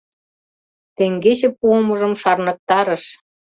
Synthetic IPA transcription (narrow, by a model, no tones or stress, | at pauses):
t̪eŋɡet͡ɕĕpuomɤ̆ʒə̆mʃɑrnɤ̆k̚t̪ɑɾə̆ʃ